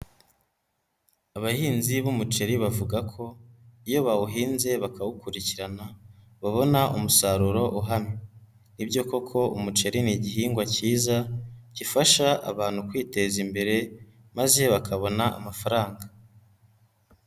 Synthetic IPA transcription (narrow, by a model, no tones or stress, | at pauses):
aβahiːnziβumut͡ʃe̞ɾiβavuɡakʰo̞ijo̞βawuɦiːnze̞βakawukuɾiciɾana | βaβo̞naumusaɾuɾo̞ʔuɦamɲe | nibɟo̞ko̞kʰo̞umut͡ʃe̞ɾiniɟiɦiːŋɡwaciːzacifaʃaʔa̰βaːn̥hukwiːte̞zimbe̞ɾe̞ | maze̞βakaβo̞naa̰mafaɾaːŋɡa